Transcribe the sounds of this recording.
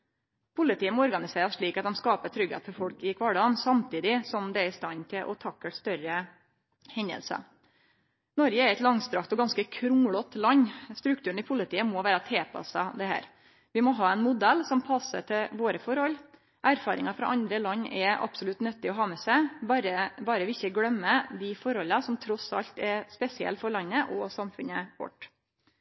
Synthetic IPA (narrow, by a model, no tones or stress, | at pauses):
pʰʊlɪt̪iːəmɔɔɾɡɑnɪseːɾəsʂɭiːkɑt̪d̪ɛmskɑːpət̪ʰɾʏɡhḛt̪fɔɾfɔɽkɪkʰʋɑːɖɑːnsɑmt̪iːd̪ɪsɔmd̪ɛæɾɪst̪ɑnt̪ʰɪlʔɔ̰t̪ʰɑkːəst̪œɾə | hɛɲd̪ə̰lsɑ̰ | nɔɾɡəæɾɛt̪lɑŋst̪ɾɑkt̪ɔɡɑnskəkʰɾʊŋɭɔt̪ːlɑɲːst̪ɾʉkt̪ʰʉːɳ̩ɪpʰʊlɪt̪ʰiːəmɔʋæːɾət̪ʰeːpʰɑ̰sɑd̪ɛhæ̰ːɾ | ʋɪmɔɦɑːɛnmʊd̪ɛlːsɔmpʰɑsə̰ʈʰɪlʋoːɾəfɔɾhɔlː | ʔæɾfɑːɾɪ̰ŋɑfɾɑ̰ːʔɑnd̪ɾəlɑɲːʔɛɑ̰b̥sɔlʉt̪nœt̪ːɪɔɦɑːmɛːsæɪbɾəbɑːɾəʋɪɪçəɡɽœmːəd̪ɪfɔɾɔlːɑsɔmt̪ʰɾɔsɑ̰ʎt̪ɛɾspɛsɪɛ̰lt̪fɔɾɭɑnːəʔɔsɑmfʉnəkɔ̰ʈː